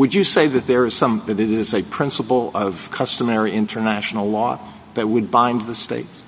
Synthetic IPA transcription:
wɨd͡ʒɨseɪðɨt̪̚ðə˞ɨz̥sʌ̃mðɨɾɨɾɪzɨpʰɹ̥ɪ̃nsəpl̩ˠʌv̥kʰʌstəmɛɹiʔɪ̃ntʰə˞næʃn̩l̩ˠlɔ̰ | ðɨt̚wəd̚bãɪ̃nðɨstḛɪts

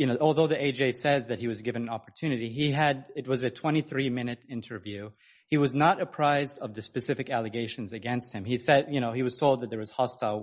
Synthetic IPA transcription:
jɨnoʊʔɔlˠðoʊðieɪd͡ʒeɪsɛzðɨt̚hiwʌzɡɪvɨ̃nɨ̃nɑpə˞tʰʉnɨɾiiɨɾɨt̚wʌzɨtʰw̥ɛ̃ɾ̃iθɹimɪ̃nɨɾɪ̃ntʰə˞vjʉ | iwʌznəɾɨpʰɹ̥aɪzdʌvðɨspɨsɪfɨkælˠɨɡeɪʃn̩zɨɡɛ̃nst̚hɨ̃misɛd̚jɨñoʊiwʌz̥tʰoʊlˠd̪̚ðɨt̪̚ðə˞wʌz̥hɑstaɪlˠ

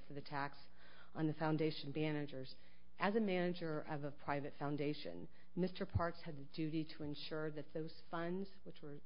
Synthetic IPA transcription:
fə˞ðɨtʰæks | n̩ðɨfãʊ̃ndeɪʃn̩bænɨd͡ʒə˞z | ʔɨzɨmænɨd͡ʒə˞ʔʌvəpʰɹ̥aɪvɨtfãʊ̃ndeɪʃɨ̰̃n | mɪstə˞pʰɑɹkshɨd̪̚ðɨdʉɾiɾəɨ̃nʃʊɹðɨt̪̚ðoʊz̥fʌ̃ndz̥wət͡ʃwə˞

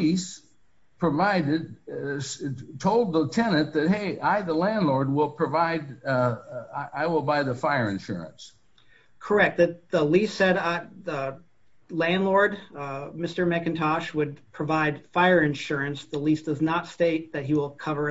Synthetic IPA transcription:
is | pʰɹ̥əvaɪɾɪd̚ | tʰoʊlˠd̪̚ðətʰɛnɨ̃nðɨt̚heɪʔaɪðəlæ̃ndˡlɔɹd̚wɪlˠpʰɹ̥ɨvaɪd | ɪaɪwəlˠbaɪðəfaɪə˞ɨ̰̃nʃʊ̰ɹɨ̰̃ns | kʰə˞ɛk̚t̪̚ðɨðəlisɛɾəðə | læ̃ndˡlɔɹd̚mɪstə˞mɨkɨ̃ntʰɑʃwəd̚pʰɹ̥ɨvaɪd̥faɪə˞ɨ̃nʃʊɹɨ̃nsðəlisd̥ʌznətsteɪt̪̚ðɨt̚ɦiwɪlˠkʰʌvə˞

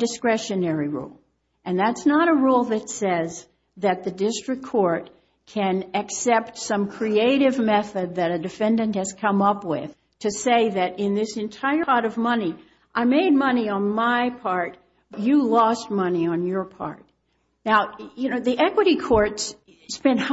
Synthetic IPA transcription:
dɨskɹɛʃɨnɛɹiɹṵlˠ | ʔɨ̃nðætsnəɾəɹulˠðɨtsɛz | ðɨt̪̚ðɨdɪstɹ̥ɨkʰːɔɹt̚ | kʰɨ̃nɨksɛp̚tsʌ̃mkʰɹ̥ieɪɾɪvmɛθɨd̪̚ðɨɾɨdɨfɛ̃ndɨ̃nt̚hɨz̥kʰʌ̃mʌpwɪð̥ | tʰɨseɪðɨɾɪ̃nðɪsɨ̃ntʰaɪəɑɾʌvmʌni | ʔaɪmeɪd̚mʌniə̃nmaɪpʰɑɹt | jɨlɔst̚mʌniə̃njə˞pʰɑ̰ɹt̚ | naʊjɨnoʊðiʔɛkwɨɾikʰɔɹts | spɛ̃nt̚h

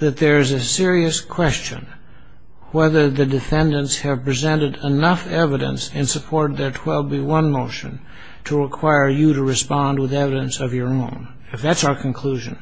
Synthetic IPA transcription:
ðɨt̪̚ðə˞ɨzɨsɪɹiɨskʰw̥ɛst͡ʃɨ̰̃n | wɛðə˞ðɨdɨfɛ̃ndɨ̃ntshɨv̥pɹ̥izɛ̃ñɨɾənʌfɛvɨɾɨ̰̃nsɨ̃nsɨpʰɔɹɾd̪̚ðə˞tʰw̥ɛl̚ˠbiwʌ̃nmoʊʃɨ̰̃n | tʰəɹɨkʰw̥aɪə˞jɨɾɨɹɨspɑ̃nd̚wəðɛvɨɾɨ̃nsʌvjə˞õʊ̃n | ɨfðætsaʊə˞kʰɨ̃nkʰl̥uʒɨ̰̃n

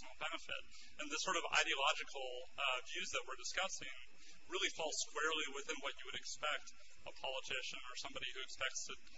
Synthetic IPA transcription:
nl̩ˠbɛnɨfɪ̰ɾ | ɨ̃nðɨsɔɹɾʌva̰ɪɾiɨlɑd͡ʒɨkʰl̩ˠ | vjʉzðɨt̚wəɹdɨskʌsɪ̃ŋ | ɹɪlˠifɔlˠskw̥ɛɹlˠiwɨθɪ̃nwʌt͡ʃɨwɨɾɨkspɛk̚t | əpʰɑlˠətʰɪʃɨ̃nə˞sʌ̃mbɑɾihʉɨkspɛk̚tstʰɨ

